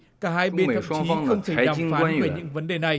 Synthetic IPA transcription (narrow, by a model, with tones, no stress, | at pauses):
kaː˧˩ɦaː˧jɓe˧t̪ʰə˨˩˧t͡ɕi˨˦˧xə˧wŋ͡mt̪ʰe˧˩˨a̰˨˩˧faː˨˧˦nveː˧˩ɲɨ̰˧˥ŋvə˨˦nɗe˨˩na˨˩j